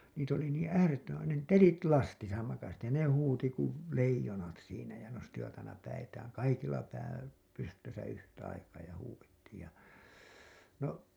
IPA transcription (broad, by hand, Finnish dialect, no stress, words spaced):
niːt oli niːĩ æːretːømæn̞ ne telit lɑstisɑ mɑkɑs jɑ ne huːti kuʋ leijonɑt siːnæ jɑ nostiʋɑt ɑinɑ pæitæːŋ kɑikilːɑ pæː pystøsæ yhtæ ɑikɑː jɑ huːwetːiːj jɑ no